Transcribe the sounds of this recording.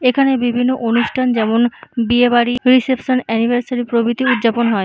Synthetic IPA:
ekʰanebibʱinːoʔonuʃʈʰand͡ʑɛmonbiebaɽiɾisepʃonɛnibʱaɾsaɾipɾobit̪iud̪ːd͡ʑaponɦɔe

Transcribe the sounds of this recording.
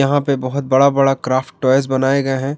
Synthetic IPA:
ɐɦãpebɐɦʊt̪̚bɐɽabɐɽakɾaːfʈːɔːjs̬bɐnaːeɡɐeɦɛ̃ː

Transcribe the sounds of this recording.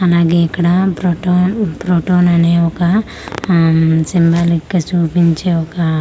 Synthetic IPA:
ɐlaːɡeːɐkːɐɽɐpɾoːʈoːnpɾoːʈoːnɐneːɔkɐ | simbaːlikːɐt͡ʃuːpiɲt͡ʃe̞ːɔkɐ

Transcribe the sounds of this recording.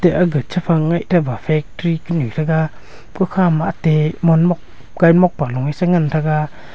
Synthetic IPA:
teʔaɡɯt̚t͡ʃʰapʰaŋːajtʰabafʰɛk̚tɾikɯnɯtʰaɡa | kʰɔkʰamaʔatemɔnmɔk̚ | ɡ̥ajmɔk̚palɔŋajsaŋantʰaɡa

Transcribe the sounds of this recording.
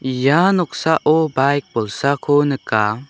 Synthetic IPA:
janɔk̚saʔɔbajk̚bɔlsakʰɔnəka

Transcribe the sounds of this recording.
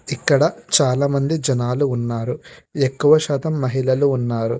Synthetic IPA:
ikːɐɽɐt͡ʃaːlaːmɐnd̪id͡ʒɐnaːluːnːaːɾuekːuʋɐʃaːt̪ɐmːɐɦilɐluːnːaːɾu

